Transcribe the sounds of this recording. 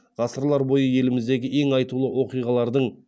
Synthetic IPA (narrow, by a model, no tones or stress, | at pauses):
ʁɑsəɾlˠɑɾbo̞jəje̞lɪmɪzd̪e̞ɡʲɪʔe̞ŋɑjt̪ulˠəwʔo̞qijʁɑlˠɑɾd̪əɴ